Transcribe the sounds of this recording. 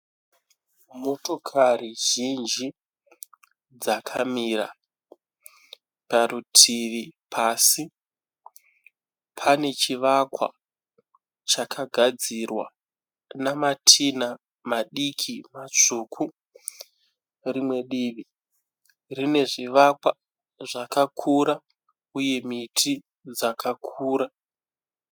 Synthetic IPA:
mo̞to̞kʰariʒ̥ind͡ʒi | d͡zakʰamiɾa̰ | paɾutʰiʋipʰaːsi | pʰane̞t͡ʃiʋakwa̰ | t͡ʃakʰaɡʱad͡zirwa̰ | namatʰina | maɗikʰimat͡ʂukʰu | rimwe̞ɗiːʋi | rine̞ʐiʋakwa | ʐakakʰuɾa | uje̞mitʰi | d͡zakʰakʰuːɾa

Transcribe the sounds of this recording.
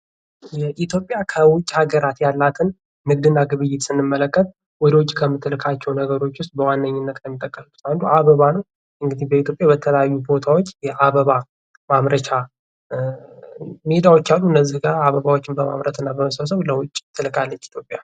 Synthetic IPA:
jɛʔit̪ʰjo̞pʼːjakʰəwʊt͡ʃʼhaɡəɾat̪jalːat̪ʰɨn | mɨɡ̚d̪ɨnːaɡɨβɨjːɪt̪sɨnːɨmːələkʼːət̪̚ | wɔd̪əwʊt͡ʃʼkʰəmːɨt̪ʰːɨlɨkʰat͡ʃːɛwnəɡəɾo̞t͡ʃːwʊst̪̚ʼbəwanːəɲːɪnːət̪ʼləmːit̪ʼəkʼːəsuu̥t̪and̪uʔaβəβanəw | ʔɨŋɡɨd̪ihbəit̪ʰjo̞pʼjabət̪ʰələjajːubo̞t̪ʰawo̞t͡ʃːjɛʔaβəβa | mamɾət͡ʃʰa | med̪awot͡ʃːalːuɨnːəzːihɡaɾaβəβawo̞t͡ʃːɪnbəma̰βɾət̪ɨnːabəməsəβsəβləwʊt͡ʃʼːt̪ʰːɨlɨkʼalːət͡ʃːi̥t̪jo̞pʼja

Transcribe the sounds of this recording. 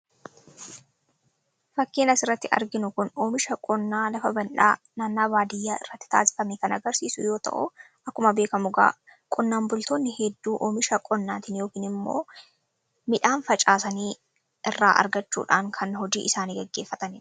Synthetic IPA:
fɐkːeːnɐsɪrːɐt̪ːɪʔɐ̰ɾɡɪnʊkʊnoːmɪʃɐkʼɔnːaːlɐfɐbɐnᶑa̰ː | naːnːaːbaːd̪ɪjːaːɪ̰rːɐt̪ːɪ̥t̪a̰ːsɪ̥fɐmɛkɐnʔɐɡɐɾsiːsʊ̰jo̞ːt̪ɐ̰ʔʊ̰ | ʔɐkːʊmɐbeːkɐmʊɡa̰ː | kʼɔnːaːmbʊlt̪oːnːɪhɛd̪ːuːʔoːmɪʃɐkʼɔnːaːt̪ɪnjoːkiːnɪmːo̰ː | mɪᶑaːnfɐt͡ʃʼaːsɐniː | ʔɪrːa̰ːʔɐ̰ɾɡɐt͡ʃːṵːᶑaːŋkʰɐnhɔd͡ʒiːʔɪsaːniːɡɛɡːe̞ːfːɐt̪ɐnɪ

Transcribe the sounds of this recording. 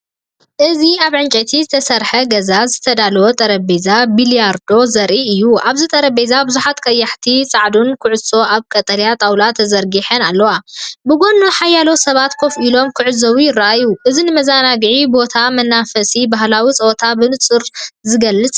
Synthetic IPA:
ʔɨziaβʕɨnt͡ʃʼɐt̪ʰizɨt̪ʰɐsɐɾħɐɡɐzazɨt̪ʰɐd̪alɐwot̪ʼɐɾɐbezabilijaɾd̪o̞zɐɾʔiɨjːuʔaβzit̪ʼɐɾɐbezabɨzuħat̪kʼɐjːaħt̪ʰisʼaʕd̪unkʰɨʕʊso̞aβkʼɐt̪ʼɐljat̪ʼawlat̪ʰːɐzɐɾɡiħɐnalːɐwabɨɡo̞nuħajalo̞sɐβat̪kʰo̞filo̞mkʰɨʕɨzɐwujɪraʔajuʔɨzinɨmɐzanaɡʕibo̞t̪ʰamɐnːafɐsibahlawit͡sʼɐwot̪ʰabɨnɨt͡sʼɨɾzɨɡɐlːɨt͡sʼ

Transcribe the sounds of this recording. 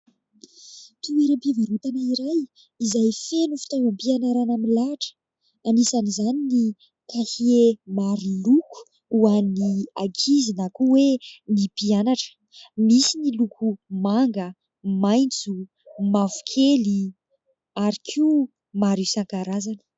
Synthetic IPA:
t̪ueɾampivaɾut̪anəiɾaj | izajfenufi̥t̪awampianaɾanaminlaʈ͡ʂə̥ | anisanizanini | kahiemaɾiluku̥ | uaniaɡizinakuwenipianaʈ͡ʂə̥ | misinilukʰumaŋɡə | majnt͡su | mavu̥kʰeli | aɾikʰiu | maɾisaŋkaɾazanə̥

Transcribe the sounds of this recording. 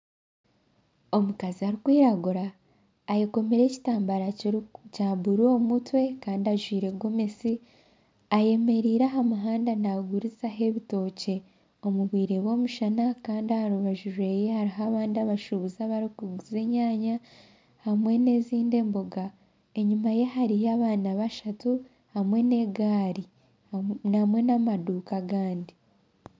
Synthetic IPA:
o̞mukaziaɾikwiːɾaɡuɾaː | jeko̞me̞ɾe̞ci̥taːmbaɾacaːbuɾo̞mutwe̞kaːndiaʒwiːɾe̞ɡo̞me̞si | aje̞me̞ɾiːɾaɦamuɦaːndanaɡuɾizaɦe̞βito̞ːce̞ | o̞muβwiːɾe̞βo̞muʃanakaːndiahaɾuβaʒuɾe̞jehaɾiɦaβaːndiaβaʃuβuzaβaɾikuɡuze̞ɲaːɲa | hamwe̞ne̞ziːnde̞ːmbo̞ɡa | e̞ɲumaje̞ɦaɾijaβaːnaβaʃatu | hamwe̞ne̞ɡaːɾi | namwe̞namaduːkaɡaːndi

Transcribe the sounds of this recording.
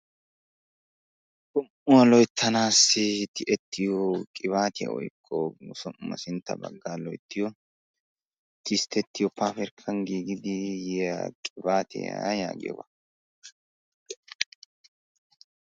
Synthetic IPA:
kʊm | ʊwɐlɔjt̪ʰːɐnaːsːɪt̪ɪʔɛt̪ːɪjɔkʼɪβaːt̪ɪjɐ̰ɔ̰jkʰʼːɔʊsɔmʊmɐ̰sɪnt̪ːɐ̰bɐ̰ɡːaːlɔjt̪ːɪjɔ | t̪ɪst̪ːɛt̪ːɪjɔpːafɛɾkʰːɐŋɡiːɡɪd̪ɪjɛakʼɪbaːt̪ɪ̰jaja̰ːɡɪ̰jɔ̰bɐ̰

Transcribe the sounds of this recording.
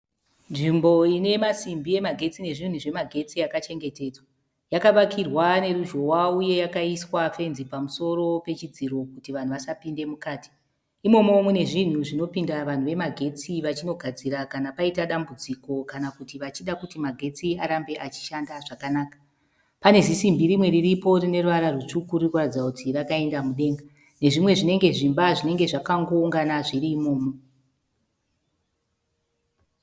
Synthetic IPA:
nʐimbo̞ine̞masimbije̞maɡʱe̞t͡sine̞ʐin̤uʐe̞maɡʱe̞t͡siakat͡ʃe̞ŋɡe̞te̞ːd͡zwa | jakaʋakʰirwane̞ɾuʒo̞wauje̞jakaiswafe̞nzipamuso̞ɾo̞pe̞t͡ʃid͡ziɾo̞kutiʋan̤uʋasapinde̞mukaːti̥ː | mo̞mo̞mune̞ʐin̤uʐino̞pindaʋan̤uʋe̞maɡʱe̞t͡siʋat͡ʃino̞ɡʱad͡ziɾakanapaitaɗambud͡ziko̞kanakutiʋat͡ʃiɗakutimaɡʱe̞t͡siaɾambe̞ʔat͡ʃi̥ʃandaʐakanaːkḁ | pane̞zisimbiɾimwe̞ɾiripo̞rine̞ruʋaɾarut͡ʂukuɾurwad͡zautʰirakae̞ndamuɗe̞ːŋɡa | ne̞ʐimwe̞ʐine̞ŋɡe̞ʐimbaʐine̞ŋɡe̞ʐakaŋɡo̞uŋɡanaʐiɾiːmo̞ːmo

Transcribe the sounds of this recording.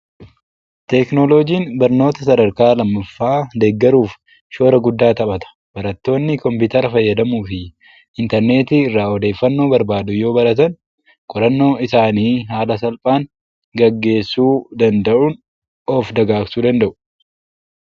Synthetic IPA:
t̪ɛknolɔd͡ʒiːnbɐɾno̞ːt̪ɐsɐd̪ɐɾkaːlɐmːɐfːaːd̪eːɡːɐɾuːf | ʃo̞ːɾɐɡʊd̪ːaːt̪ɐpɐt̪ɐ̥ | b̥ɐɾɐt̪ːo̞ːnːɪkɔmpɪːt̪ɐɾɐfɐjːɐd̪ɐmuːfɪ | ɪnt̪ɛɾne̞ːt̪iːɪrːaːɔd̪e̞ːfːɐnːo̞ːbɐɾbaːd̪ʊjo̞ːbɐɾɐt̪ɐn | kʼɔɾɐnːo̞ːɪsaːniːɦaːlɐsɐlpʼaːŋ | ɡɐɡːe̞ːsːuːd̪ɐnd̪ɐʔun | ɔːfd̪ɐɡaːksuːd̪ɐnd̪ɐʔʊ̥

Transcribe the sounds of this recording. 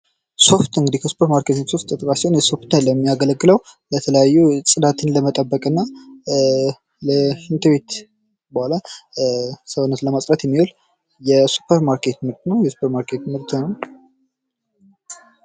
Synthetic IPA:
so̞ft̪ɨŋɡɨd̪ikʰəsu̥pʰəɾmaɾkʰet̪ɨɲsoft̪ʼːɨt̪ʼkʼasewnjɛso̞ft̪ələmːijaɡələɡːɨləwlət̪ʰələjajːusʼɨd̪at̪ʰɨnləmət̪ʼəbːəkʼɨnːa | ləʃɨnt̪ʰɨβe̞t̪ | bəhala | səwɨnːət̪ləmasʼɾət̪jɛmːiwol | jɛsu̥pʰəɾmaɾkʰe̞t̪mɨɾt̪nəwjɛsu̥pʰəɾmaɾkʰe̞t̪mɨɾt̪nəw

